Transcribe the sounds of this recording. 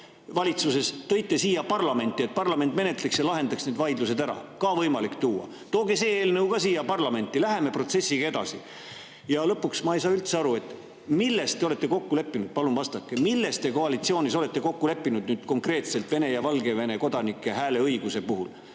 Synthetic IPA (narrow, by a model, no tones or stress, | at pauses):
vɑlʲit̪suse̞st̪ɤ̞jt̪ːˑe̞siːjɑpɑrlɑme̞nt̪ːˑiet̪̚pɑrlɑment̪ːˑme̞ne̞t̪le̞ksjɑlɑɦe̞nd̪̥ɑksneːd̪vɑjd̪luse̞d̪æɾɑ̰kɑvɤjmɑlikt̪uːɑ̰ | t̪o̞ːɡese̞ːeːlnɤwkɑsiːjɑpɑrlɑme̞nt̪ːˑilæɦe̞me̞pro̞t̪se̞sːiɡɑe̞d̪ɑ̰sḭ | jɑlɤpːuksmɑejs̬ɑːylt̪seɑɾue̞t̪ːˑ | milːe̞st̪ːeo̞le̞t̪ːe̞ko̞kːule̞pːinud̪̥̚pɑlumvɑst̪ɑkːˑemilːe̞st̪t̪e̞ko̞ɑlit̪sio̞ːnis̬o̞le̞t̪ːe̞ko̞kːule̞pːˑinud̪̥̚nyːd̪̥ko̞ŋkre̞ːt̪se̞lt̪ve̞ne̞jɑvɑlɡe̞ve̞ne̞ko̞d̪̥ɑnikːˑe̞ɦæːle̞ɤjɡuse̞puɦul